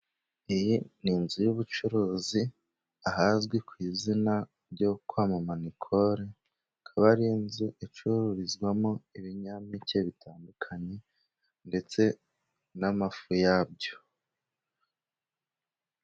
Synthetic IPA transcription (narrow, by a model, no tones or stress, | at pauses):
ijiniːnzujuβut͡ʃuɾuːzi | ahazɡwekwiːzina | bɟo̞kwaːmamanikʰo̞ɾe | kʰaβaɾinziit͡ʃuɾuɾizɡwamoiβiɲamiceβitʰaːndukʰaɲe̞ | nde̞t͡se̞ | namafujab̚ɟo̞̥